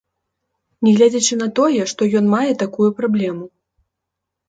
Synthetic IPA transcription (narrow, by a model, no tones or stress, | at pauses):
nʲɛɣlʲad͡zʲat͡ʃɨnɐt̪ɔjɛʂt̪ɔjɔn̪majɛt̪akujupɾablʲɛmu